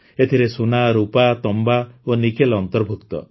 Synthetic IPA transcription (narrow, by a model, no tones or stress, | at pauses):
et̪ʰiɾesunaɾupat̪ɔmbaonikelɔnt̪ɔɾbʱukt̪ɔ̰